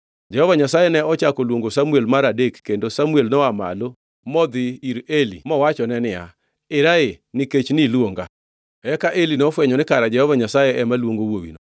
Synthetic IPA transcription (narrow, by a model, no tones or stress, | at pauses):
d͡ʒɛhɔvaɲasajɛnɛɔt͡ʃakolwoŋɡosamuelmaɾadekːendosamuelnɔama̰lo | mɔd̪ɪiɾelḭmɔwat͡ʃɔnɛnɪa̰ | ɪɾaenɪket͡ʃnɪlwoŋɡa̰ | ɛkaʔelinɔfwɛɲɔnɪkaɾad͡ʒɛhɔvaɲasajɛɛmalwoŋɡowowḭno